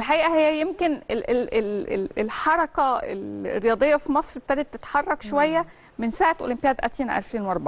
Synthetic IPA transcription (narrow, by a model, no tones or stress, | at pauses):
lħaʔiːʔæhejːæjemkeneʔeleleelħɑɾˤɑkæḛlrːejɑːd̪ˤejːɑfimɑsˤɾb̚et̪æːd̪æd̪t̪ːet̪ħɑrˤːɑkʃowæjːæ | mensaːʕet̪ʔo̰limpejæːd̪ʔæ̰t̪iːnʔæ̰lfɾiːnwʔɑɾˤbɑʕ